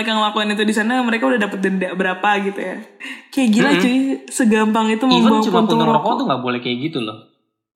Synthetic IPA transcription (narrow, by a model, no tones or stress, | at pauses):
ekaŋlakɔnit̪̬udisanaməɾekaudahdapət̪̚ɡəndaʔbəɾapaɡit̪ujakeɡilat͡ʃusəɡampaŋit̪umabat͡ʃumant̪uəɔkɔt̪uŋɡaʔbolɛhkeɡit̪utʊ